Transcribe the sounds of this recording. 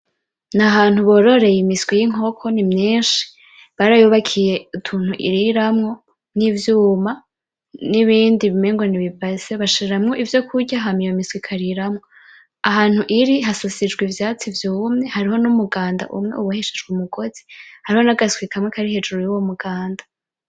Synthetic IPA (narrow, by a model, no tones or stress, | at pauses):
naɦaːn̥huβo̞ːɾo̞ɾe̞jimiswijiŋ̥o̞kʰo̞nimɲiːnʃi̥ | βaɾajuβakʰije̞utʰuːn̥uʔḭɾiɾamŋo̞ | nivjuːma | niβiːndiβimeŋɡweniβivazeβaʃiɾeɾamŋo̞ʔivjo̞kʰuɟaɦamijoimiswikʰaɾiɾamŋo̞ | aɦaːn̥huʔiɾiɦasosid͡ʒɡwivjaːt͡sivjuːmŋe̞haɾiɦo̞numuɡaːnda̰ʔumŋe̞̰uβuheʃed͡ʒɡumuɡ̥o̞z̥ihaɾiho̞naɡaswikʰamŋekʰaɾihe̞d͡ʒuɾujuwomuɡaːndḁ